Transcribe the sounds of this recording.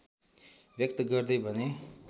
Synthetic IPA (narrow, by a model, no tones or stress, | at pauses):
bjʌk̚t̪ɡʌrd̪ʌjbʱʌne